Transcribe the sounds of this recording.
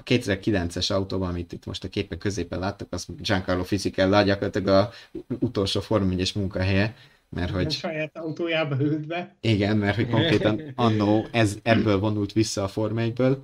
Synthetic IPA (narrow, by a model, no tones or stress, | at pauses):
keːt̪ːɛzɛrkilɛnt̪sɛʃɒut̪oːbɒɒmit̪it̪mo̞̰ʃt̪ɒkeːpɛŋkːøzeːpɛnlaːt̪ːukɒzʒaŋkɒrloːfizikɛlːɒɟɒkorlɑt̪lɛɡɒut̪o̞lʃoːfo̞rmɛɲɛʃmuŋkɒɦɛjɛ | mʔɛ̰rho̞ɟʃɒjaːt̪ɒut̪oːjaːbɒyld̪bɛiɡɛnmɛrt̪ho̞cko̞ŋkɾeːt̪ɒnɒnːoːɛzɛbːøːlvo̞nult̪ʋisːɒːfo̞rmɛjbøːl